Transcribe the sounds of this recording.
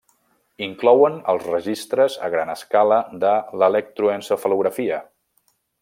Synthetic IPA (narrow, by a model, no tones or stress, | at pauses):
iŋklɔwənə̰lˠzrəʒist̪ɾəzə̰ɣɾanəskaləd̪ələlɛk̚t̪ɾuensəfəluɣɾəfiə